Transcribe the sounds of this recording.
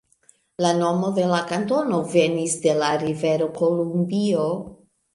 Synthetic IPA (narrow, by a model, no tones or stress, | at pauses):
lano̞mo̞de̞lakanto̞no̞ve̞nisde̞laɾive̞ɾo̞ko̞lumbio